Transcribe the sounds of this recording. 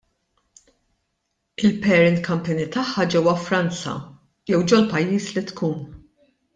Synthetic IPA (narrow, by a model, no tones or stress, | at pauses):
ɪlpɛɾɪnkɐmpɛnit̪ɐħːɐd͡ʒɛwɐfɾɐnt͡sɐ̰ | jɛwd͡ʒɔlpɐjːiːslit̪kuːn